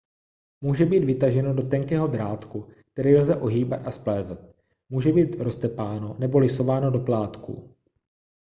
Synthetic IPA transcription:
muːʒɛbiːd̪vɪt̪aʒɛno̞do̞t̪ɛŋkɛːɦo̞d̪ɾaːt̪kuk̚t̪ɛɾijlzɛʔo̞ɦiːbat̪asplɛːzɛt̪̚ | muːʒɛbiːt̪ɾo̞st̪ɛpaːno̞nɛbo̞lɪso̞vaːno̞do̞plaːt̪kṵ

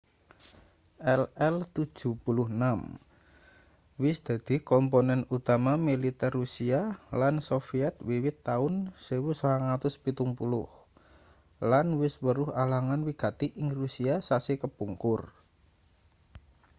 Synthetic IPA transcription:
ʔɛlɛlt̪u̥ʒ̥ṳpulʊhnam | wɪsd̪̥a̤d̪̥i̤kɔmponɛnut̪amamilit̪ɛrːusialansofiɛt̪̚wiwɪt̪ːaʊnsewusəlaŋat̪ʊspit̪ʊŋpulʊh | lanwɪswəɾʊhalaŋanwiɡ̥a̤t̪iʔɪŋrusiasasekəpuŋkʊr

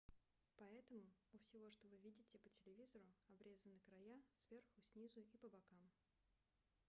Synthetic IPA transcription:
pɐɛt̪əmʊʊfsʲɪvo̞ʂt̪ovɨvʲidʲɪtʲɪpətʲɪlʲɪvʲizəɾʊɐbɾʲe̞zənɨkɾɐjasvʲe̞rxʊsʲnʲizʊipəbɐkam

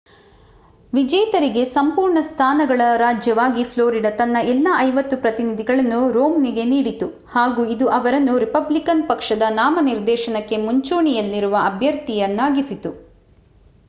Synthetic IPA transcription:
ʋid͡ʒɛjt̪ɐɾiɡe̞sɐmpuːɾɳɐst̪ʰaːnɐɡɐɭɐɾaːd͡ʒjɐʋaːɡipʰloːɾiɖɐt̪ɐnːɐɛlːaʔɐjʋɐt̪ːupɾɐt̪inid̪ʱiɡɐɭɐnːuɾoːmniɡe̞niːɽit̪u | haːɡuːid̪uʔɐʋɐɾɐnːuɾipɐblikɐnpɐkʂɐd̪ɐnaːmɐniɾd̪ɛːʃɐnɐkːe̞muɲt͡ʃuːɳijɐlːiɾuʋɐɐbʱjɐɾt̪ijɐnːaːɡisit̪u

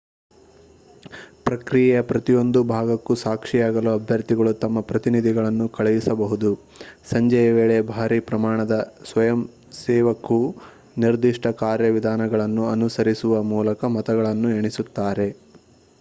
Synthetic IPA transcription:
pɾɐkɾijɛjɐpɾɐt̪ijo̞nd̪ubʱaːɡɐkːusaːkʂijaːɡɐluɐbʱjɐɾt̪iɡɐɭut̪ɐmːɐpɾɐt̪inid̪ʱiɡɐɭɐnːukɐɭɛjisɐbɐɦud̪u | sɐɲd͡ʒɐjɐʋeːɭebʱaːɾipɾɐmaːɳɐd̪ɐsʋɐjɐm | sɛːʋɐkːu | niɾd̪iʂʈɐkaːɾjɐʋid̪ʱaːnɐɡɐɭɐnːuɐnusɐɾisuʋɐmuːlɐkɐmɐt̪ɐɡɐɭɐnːueɳisut̪ːaːɾe̞

